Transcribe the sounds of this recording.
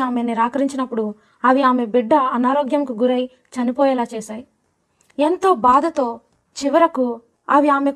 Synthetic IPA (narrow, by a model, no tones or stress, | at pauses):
aːmeniɾaːkɐɾiɲt͡ʃinɐpːuɽu | ɐʋiaːme̞biɖːɐɐnaːɾoːɡjɐmkuɡuɾɐj | t͡ʃɐnipɔːjɛːlaːt͡ʃɛːsaːji | ent̪o̞ːbaːd̪ʱɐt̪o̞ː | t͡ʃiʋɐɾɐku | ɐʋiaːme̞